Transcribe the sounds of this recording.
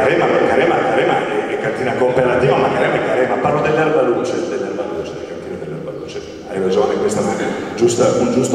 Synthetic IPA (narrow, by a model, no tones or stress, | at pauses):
aɾɛmamakːaɾɛmakaɾɛmaʔɛɛkːant̪iːnakompeɾat̪iːvamakaɾɛmaɛkːaɾɛmaparlod̪elːɛlbalut͡ʃed̪elːɛlːabaluːt͡ʃɛɛkant̪iːnad̪elːɛɾbaluːt͡ʃe | aɾevad͡ʒoanoiŋkwest̪amanɛd͡ʒust̪aund͡ʒust̪